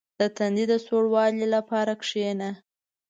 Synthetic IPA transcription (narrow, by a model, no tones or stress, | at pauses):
d̪̥ət̪and̪id̪asoɽwɑlilapɑɾakʂena